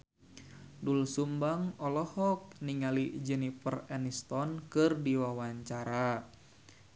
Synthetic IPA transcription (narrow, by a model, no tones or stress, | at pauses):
dulsumbaŋɔlɔhɔk̚niŋalid͡ʒɛnipərɛnist̪ɔnkɨrdiwawaɲt͡ʃaɾa